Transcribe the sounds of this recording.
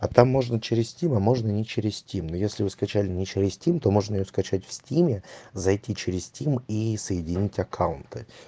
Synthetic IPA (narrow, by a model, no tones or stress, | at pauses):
at̪amːo̞ʐnət͡ɕɪɾʲɪsʲsʲtʲimɐmo̞ʐnənʲɪt͡ɕɪɾʲɪsʲsʲtʲimnojesʲlʲɪvɨskɐt͡ɕælʲɪnʲɪt͡ɕɪɾʲɪsʲsʲtʲimt̪o̞mo̞ʐnəɪjoskɐt͡ɕætʲfsʲtʲimʲɪzɐjtʲit͡ɕɪɾʲɪsʲsʲtʲimisəjɪdʲɪnʲitʲɐkʰaʊnt̪ɨ